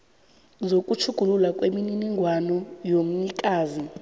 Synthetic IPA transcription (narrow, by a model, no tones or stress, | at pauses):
zokʼut͡ʃʰuɡ̥ʱululakʼwemininiŋɡʱwanɔjom̩ɲikʼaːzi